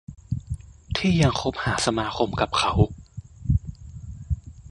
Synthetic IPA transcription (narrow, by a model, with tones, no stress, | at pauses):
t̪ʰiː˥˩ja˧ŋkʰo˦˥p̚haː˩˦sa˧maː˧˥kʰo˧mka˨˩p̚kʰa˩˦w